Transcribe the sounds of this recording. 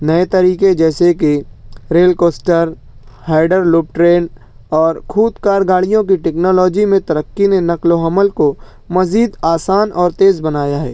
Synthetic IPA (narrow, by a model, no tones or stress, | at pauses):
nɐet̪ɐɾiːked͡ʒɛːsekiɾeːlkoːsʈəɾ | haːɪɖəɾluːp̚ʈɾeːn | ɔːɾkʰuːd̪kaːɾɡaːɽijõk̬iʈɛːknɔːlɔːd͡ʒimẽt̪ɐɾəkːinenɐkloɦɐməlko | mɐziːd̪aːsaːnʔɔːɾt̪eːzbɐnaːjaɦɛ̰ː